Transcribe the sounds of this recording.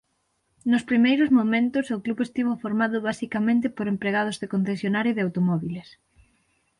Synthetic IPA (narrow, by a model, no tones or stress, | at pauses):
nʊspɾimejɾʊzmomẽnt̪ʊsokluβest̪iβofoɾmaðʊβasikamẽnt̪ɪpoɾempɾeɣ̞að̞ozðekon̟θesjonaɾjoðeawt̪omɔβiles